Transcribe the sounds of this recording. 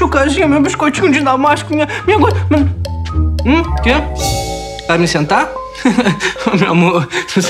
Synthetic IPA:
ukazĩɲɐmebiʃkojt͡ʃiɲud͡ʒinamaʃkmiɲɐmiɲɐɡome | ke | t̪amisẽnt̪a | meamo

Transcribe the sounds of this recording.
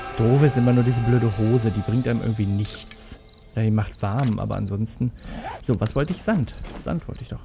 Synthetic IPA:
d̥asd̥oːfəɪstʔɪmɐnuːɐdiːzəbløːɾəɦoːzədiːbʁɪŋtʔaɪmɪ̰ɐɡŋ̩tv̥iːnɪçt͡sd̥aimaχtv̥aɐmʔa̰ːbɐ̰ʔa̰nzɔnstn̩z̥oːvasv̥ɔltəɪçz̥antz̥a̰ntv̥ɔ̰ltəɪçd̥ɔχ

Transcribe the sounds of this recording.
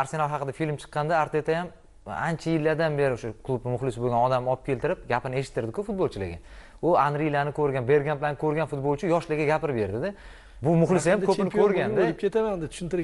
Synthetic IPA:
aɾse̞nalˠɦɑqɨd̪afilmt͡ʃʰɨ̥qːɑnd̪aːɾt̪et̪ʰajam | ant͡ʃʰajɪlːaɾd̪anbe̞ɾɪʊʃakʰlˠubnɪmʊχlɪsboɡʲanɒd̪amɒp̚kʲʰe̞lt̪ʰɪɾɪp̚ɡʲapɪɾnɪe̞ʃɪt̪ʰːɪɾd̪ɪkʰʊfʊt̪̚bolˠt͡ʃʰɪlɪ̰ɡʲa | ʊanɾilanɪkʰɵɾɡʲanbe̞ɾɡʲanmblanɪkʰɵɾɡʲanfʊt̪̚bolˠt͡ʃʰɪjɒʃlɪɡʲaɡʲapɪɾbe̞ɾd̪ɪd̪ɪ | bʊmʊχlɪsɪjamkʰɵɪnɪkʰɵɾɡʲand̪ollɪp̚kʰʲet̪amand̪ɪt̪ʰʊ̥ʃɪnt̪ɪɾ

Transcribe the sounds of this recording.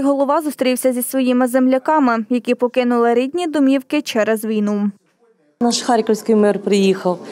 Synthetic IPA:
ɦɔlˠɔʋɑzʊst̪ɾʲiwsʲɐzʲisʋɔjimɪzemlʲɐkɑmɪjɐkipɔkɪnʊlˠɪɾʲid̪ʲnʲid̪ɔmʲiwkɪt͡ʃɛɾɛzʋʲijnu | nɑʃxɑɾʲkɔwsʲkɪjmɪrpɾɪjixɐw

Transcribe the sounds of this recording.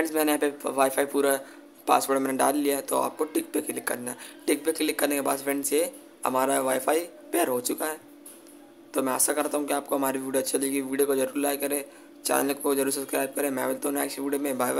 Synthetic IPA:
fɾɛ̃ɳɖsmɛ̃ːneaːpeʋaːifʰaːipuːɾa | pa̰ːsʋoːɽʈmɛːneɖa̰ːlːijaɦɛt̪oa̰ːp̚koʈɪk̚pekɪlɪkːɐ̰ɾnaɦɛʈɪk̚pekːelɪkːɐɾnekebaːd̪fɾɛ̃ɳɖse | hɐ̰maːɾaʋaːifʰaːi | pɛːəɾɦot͡ʃʊkaɦɛ | t̪omɛ̃ɛ̰sakɐɾt̪aːɦũkiaːp̚koɦɐmaːɾiʋiːɖoɐtːʃʰaliɡiʋiːɖjokozɐɾuːɾlaːjkɐɾẽː | t͡ʃa̰ːnnəkozɐɾuːɾsɐskɾaːjb̚kɐɾẽːmɛ̰̃ːʋelt̪aɦũnɛːkʃiʋiːɖjomẽbaː

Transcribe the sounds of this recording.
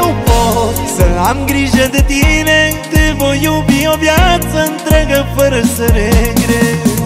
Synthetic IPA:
wkɔ | sɐamɡɾiʒɐd̪ɨt̪iɾẽ | t̪evojobiɔbjat̪sɐẽnt̪ɾɛɣɐpɐɾɐseɾeɡɾe

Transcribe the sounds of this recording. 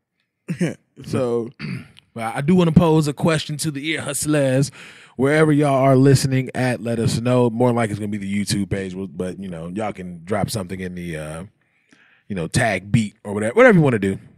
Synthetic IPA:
j | soʊ | wɛaɪdɨwɑ̃nəpʰoʊzɨkʰw̥ɛst͡ʃɨ̃n̩tʰɨðiɪɹhʌslɛz | wə˞ɛvə˞jɨə˞lɪsɨnɪ̃ŋɨt̚ˡlɛɾʌsnoʊmɔɹðə̃nlaɪkɨtsɡ̥ʌnəbiðɨjʉtʰʉb̚peɪd͡ʒwɪbʌt̚jɨnoʊjɨkɨ̃ndɹɑpsʌ̃mθɪ̃ŋɨ̃nðɨʌ | jɨnoʊtʰæk̚b̥it̚ə˞wʌɾɛvə˞wʌɾɛvəjɨwɑ̃nɨdʉ

